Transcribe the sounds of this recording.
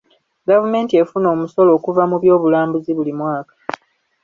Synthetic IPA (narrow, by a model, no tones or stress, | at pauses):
ɡavume̞ːntie̞funo̞ːmuso̞lo̞ːkuvamuβjo̞ːβulaːmbuziβulimwaːkḁ